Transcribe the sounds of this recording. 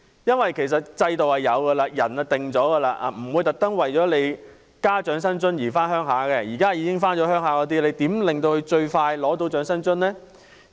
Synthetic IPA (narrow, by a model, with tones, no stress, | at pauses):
jɐ˥nwɐ˨jkʰe˨˩js̬ɐ˨t̚t͡sɐ˧jt̪o˨whɐ˨jːɐ˨˧wkɐ˧laː˧jɐ˨˩nɐ˨t̪ɪ˨ŋt͡ʃɔː˨˥ɡə˧laː˧ʔa̰ː˨˧m̩˨˩wuː˨˧jt̪ɐ˨k̚t̪ɐ˥ŋwɐ˨jt͡ʃɔː˨˥le˨˧j | kaː˥t͡ʃœː˨˥ŋsɐ˥nt͡sɵ˥njiː˨˩faː˥nhœː˥ŋɦaː˨˥kɛ˧jiː˨˩kaː˥ji˨˧kɪ˥ŋfaː˥nt͡ʃɔː˨˥hœː˥ŋɦaː˨˥kɔː˨˧˥t̪iː˥le˨˧jt̪iː˨˥mlɪ˨ŋt̪o˧whɵ˧ɥt͡ʃɵ˧ɥfaː˧jlɔː˨˥t̪o˨˥wt͡ʃœː˨˥ŋsɐ˥nt͡ʃɵ˥nnɛː˥